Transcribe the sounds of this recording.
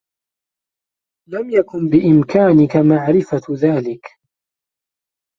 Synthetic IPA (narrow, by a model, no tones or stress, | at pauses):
lamjakʊnbɪʔɪmkaːnɪkamaʕɾɪfaðaːlɪk